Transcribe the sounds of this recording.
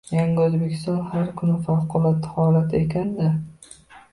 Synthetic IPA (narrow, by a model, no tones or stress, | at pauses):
jaŋʲɪozbekʲʰɪ̥st̪ɒnhaɾkʰʊnɪfawqʰʊlˠat̪ːɪhɒlat̪ʰe̞kʲʰand̪a